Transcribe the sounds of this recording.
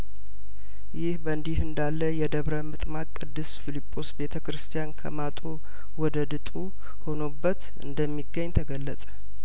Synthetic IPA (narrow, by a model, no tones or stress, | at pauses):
jɪhbəɨnd̪ihɨnd̪alːəjɛd̪əβɾəmɨt̪ʼmakʼːɨd̪ːɨsfilipʼːo̞sbe̞t̪ʰəkɾɨst̪ʰijankʰə̰mat̪ʼo | wɔd̪əd̪ɨt̪ʼu | ho̞no̞bːət̪ | ɨ̰nd̪əmːiɡːəɲːt̪ʰəɡəlːəsʼə̥